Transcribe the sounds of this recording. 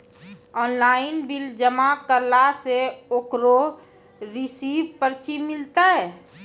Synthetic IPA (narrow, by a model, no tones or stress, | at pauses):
ɔːnlaːɪnbɪld͡ʒəmakəɾlaseoːkɾo | ɾɪsiːbpəɾt͡ʃimɪlt̪aɦɛː